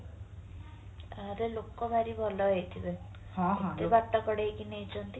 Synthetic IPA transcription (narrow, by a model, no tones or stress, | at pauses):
aɾelokɔbaɾibʱɔlɔet̪ʰibe | ɦeebaʈːɔkɔɽekinejt͡ʃʰɔnt̪i